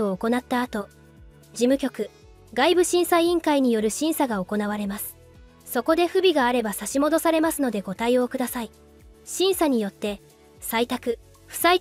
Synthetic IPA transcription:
oːko̞nat̪ːaːt̪o̞ | d͡ʑimɯ̟kʲo̞kɯ̟ | ɡaibɯ̟ɕĩɰ̃saiĩŋkaiɲ̟ijo̞ɾɯ̟ɕĩɰ̃saɡaoko̞naβ̞aɾe̞masɨ̥ | so̞ko̞d̪e̞ɸɯ̟bʲiɡaːɾe̞basaɕimod̪o̞saɾe̞masɨno̞d̪e̞ɡo̞t̪aio̞kɯ̟d̪asai | ɕĩɰ̃saɲ̟ijo̞t̪ːe̞ | sait̪akɯ̟ | ɸɯ̟̥sai

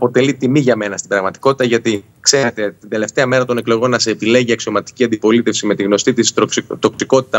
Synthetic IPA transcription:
po̞t̪e̞lit̪imiʝɐme̞nɐst̪ibɾɐɣmɐt̪i̥ko̞t̪i̥t̪ɐʝɐt̪i | kse̞ɾet̪e̞t̪ind̪e̞le̞ft̪e̞ɐme̞ɾɐt̪o̞neklo̞ɣo̞nːɐseːpile̞ʝiɐksio̞mɐt̪i̥ciɐnd̪ipo̞lit̪e̞fsime̞t̪iɣno̞st̪it̪ist̪o̞ksiko̞t̪i̥t̪ɐ

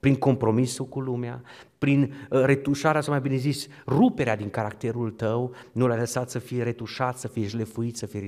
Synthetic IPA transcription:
pɾiŋko̞mpɾo̞misukulumea | pɾinre̞t̪uʃaɾeasamajbine̞zis | rupe̞ɾead̪iŋkaɾakt̪e̞ɾult̪əwnulajləsat̪səfijeɾe̞t̪uʃat̪səfijeʒlefuit̪səfie

